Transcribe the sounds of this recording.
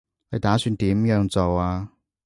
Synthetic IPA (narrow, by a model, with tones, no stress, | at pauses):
le˨˧jt̪aː˨˥syː˧nt̪iː˨˥mjœː˨˧˥ŋt͡so˨waː˧